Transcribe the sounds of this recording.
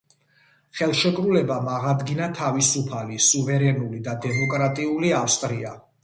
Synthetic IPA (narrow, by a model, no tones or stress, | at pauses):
χɛlˠʃɛkʼɾulɛbamaʁad̪ɡinat̪ʰavisupʰalisuvɛɾɛnulid̪ad̪ɛmɔkʼɾat̪ʼiuliafst̪ʼɾia̰